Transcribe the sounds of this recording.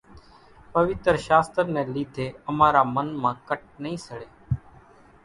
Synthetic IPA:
pəʋɪt̪ɾʃaːst̪ɾnẽːliːd̪ʱeːəmaːɾaːmənmãːkəʈ̚nəɦĩːsəɽeː

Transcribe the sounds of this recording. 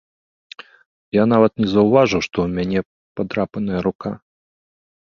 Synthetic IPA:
jan̪avɐt̪nʲɛzɐwvaʐɨwʂt̪ɔwmʲanʲɛ | pad̪ɾapɐnɐjɐɾuka

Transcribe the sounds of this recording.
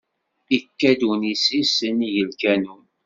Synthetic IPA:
ikːæd̪unisisəniʝəlkænun

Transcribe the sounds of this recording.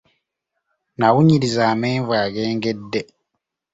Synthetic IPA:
naɣuɲiɾizaːmeːɱvwaːɡeːŋɡedːe

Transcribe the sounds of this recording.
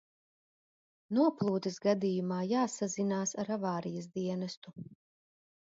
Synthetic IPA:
nuɔplˠuːt̪isɡad̪ijumaːjaːsazinaːsaɾavaːɾijɐs̬d̪iɛnɐst̪u

